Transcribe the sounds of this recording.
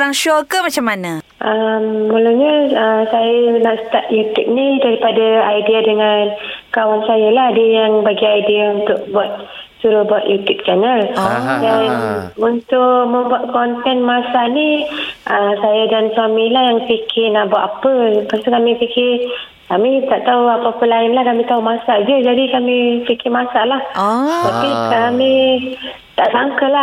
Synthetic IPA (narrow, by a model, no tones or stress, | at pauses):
ɾaŋʃɔkəmat͡ʃamːanə | ʔəmmuluɲəəsajanaʔsə̥t̪aʔ̚jut̪up̚nidaɾipadaajdiadəŋankawansajalahdiəjaŋbaɡiajdiaunt̪ʊʔbuat̪̚ | suɾʊhbuat̪jut̪up̚t͡ʃanəldanunt̪ʊʔmə̃mbuat̪̚kɔnt̪ɛnmasaniʔəsajadansuamilahjaŋpikʰɪnabaʔapəpast̪ukamĩpikɪr | kamit̪aʔt̪auapaapəlaɪnlahkamĩt̪aumasaʔd͡ʒəd͡ʒadikamipikɪmasaʔlaht̪apikami | t̪aʔsaŋkəla